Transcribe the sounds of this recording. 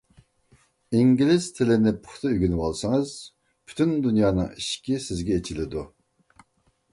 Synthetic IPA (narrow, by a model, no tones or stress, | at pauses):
iŋɡʲilɪz̥t̪ʰɪlɪnɪpʰu̥χt̪ʰɨyɡʲynɪwɑlˠsɨŋɨz | b̥ʰy̥t̪ʰynd̪ynjɑːnɨ̰ŋiʃkʲisizɡʲɛet͡ʃʰilɪd̪u